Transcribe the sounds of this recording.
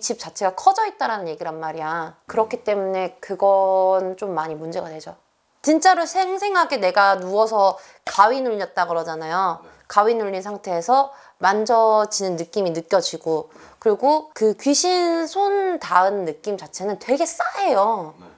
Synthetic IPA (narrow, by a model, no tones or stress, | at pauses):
t͡ɕʰip̚t͡ɕ͈at͡ɕʰe̞ɡakʰʌd͡ʑʌit̚t͈aɾanɯnje̞ɡiɾɦanmaɾiakɯɾʌkʰit͈e̞mune̞kɯɡʌnt͡ɕ͈omːaɲimund͡ʑe̞ɡadwe̞d͡ʑo | t͡ɕint͡ɕ͈aɾosʰeŋsʰe̞ŋɦaɡene̞ɡanuʌs̬ʰʌ | kawɥinuɭːʌt̚t͈aɡɯɾʌd͡ʑanajo | kawinuʎːinsʰaŋtʰe̞ːsʰʌ | mand͡ʑʌd͡ʑinɯnːɯk͈iminɯk͈jʌd͡ʑiɡokɯɾiɡokɯkɥiɕʰinsʰontaɯnːɯk͈imt͡ɕat͡ɕʰe̞nɯntwe̞ɡe̞s͈aɦe̞jo